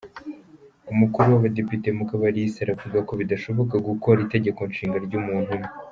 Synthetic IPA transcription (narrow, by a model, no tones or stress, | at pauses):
umukuɾuwaβade̞pitemukaβaɾiiseɾavuɡako̞βidaʃo̞βo̞kaɡuko̞ɾite̞ɟe̞ko̞nʃiːŋɡaɾɟuːmuːnhume